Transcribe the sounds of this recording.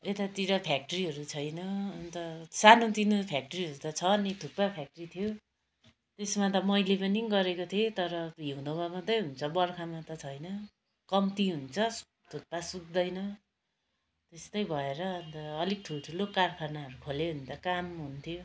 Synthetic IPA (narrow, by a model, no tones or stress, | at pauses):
et̪at̪iɾʌpʰjak̚ʈʌɾiɦʌɾut͡sʰʌjnʌːnt̪ʌsanot̪inopʰjak̚ʈʌɾiɦʌɾut̪ʌt͡sʰʌnit̪ʰuk̚papʰjak̚ʈʌɾit̪ʰijo | t̪esmat̪̬ʌmʌjlepʌniɡʌɾekot̪ʰet̪ʌɾʌɦiũd̪omamʌt̪ʌjɦunt͡sʰʌbʌrkʰamat̪ʌt͡sʰʌjnʌ | kʌmt̪iɦunt͡sʰʌ̥ | t̪ʰuk̚pasuɡ̚d̪ʌjnʌ | t̪est̪ʌjbʱʌeɾʌːnt̪ʌːliɡ̚ʈʰulʈʰulokarkʰarnaɦʌɾukʰoleɦunt̪ʌkamɦunt̪ʰjo